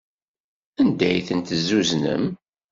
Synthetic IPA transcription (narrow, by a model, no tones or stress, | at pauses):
ænd̪æjθənt̪əzːuznə̰m